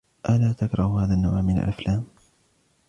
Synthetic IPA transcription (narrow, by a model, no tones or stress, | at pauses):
ʔalaːt̪akɾˤɑhhaːðanːawʕmːɪna̰lʔaflaːm